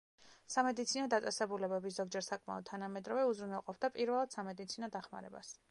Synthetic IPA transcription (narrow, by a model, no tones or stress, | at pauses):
samɛd̪it̪sʰinɔd̪at̪sʼɛsɛbulɛbɛbis̬zɔɡ̚d͡ʒɛɾsakʼma̰ɔd̪̚t̪ʰanamɛd̪ɾɔvɛuzɾunalˠqʼɔp̚ʰd̪apʼiɾvɛlˠad̪̥samɛd̪it̪sʰinɔd̪aχma̰ɾɛ̰ba̰s